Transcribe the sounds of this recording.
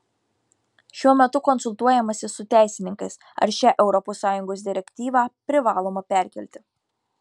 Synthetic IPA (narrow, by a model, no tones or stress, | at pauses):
ʃʲuɔmʲɛt̪ʊkɔnsʊlˠt̪uɔjɛmɐsʲɪsʊt̪ʲæˑɪsʲɪnʲɪŋkɐɪs | ɐ̰ɾʃʲæːʔɛʊɾɔposːɑːjʊŋɡoːs̬d̪ʲɪɾʲɛkʲt̪ʲiːʋɑːpʲɾʲɪʋɑːlˠoːmɐpʲæˑɾʲkʲɛlʲt̪ʲɪ